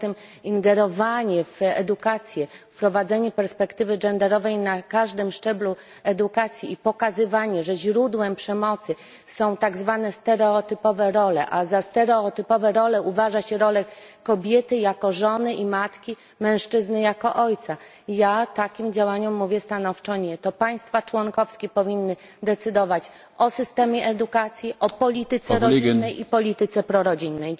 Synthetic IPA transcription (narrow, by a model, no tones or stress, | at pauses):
t̪ɛmiŋɡɛɾɔvaɲɛfɛ̰d̪ukat̪sʲjɛfpɾɔvad̪zɛɲɛpɛɾspɛkt̪ɘvɘd͡ʐɛnd̪ɛɾɔvɛjnakaʐd̪ɘmʂt͡ʂɛblu | ɛd̪ukat̪sʲjiipɔkazɘvaɲɛʐɛʑɾud̪wɛmpʂɛmɔt̪sɘ | sɔ̃w̃t̪aɡzvanɛst̪ɛɾɛɔt̪ɘpɔvɛɾɔlɛ̰ʔazast̪ɛɾɛɔt̪ɘpɔvɛɾɔlɛuvaʐaɕɛɾɔlɛkɔbʲjɛt̪ɘjakɔʐɔnɘʔimat̪kʲi | mɛ̃w̃ʂt͡ʂɘznɘjakɔʔɔjt̪sa | jat̪akʲimd͡ʑawaɲɔmːuvʲjɛst̪anɔft͡ʂɔɲɛt̪ɔpaj̃st̪fat͡ʂwɔnkɔfskʲɛpɔvʲinːɘ | d̪ɛt̪sɘd̪ɔvat͡ɕ | ʔɔsɘst̪ɛmʲjɛʔɛd̪ukat̪sʲjiʔɔpɔlʲit̪ɘt̪sɛɾɔnnːɛjipɔlʲit̪ɘt̪sɛpɾɔɾɔd͡ʑinːɛj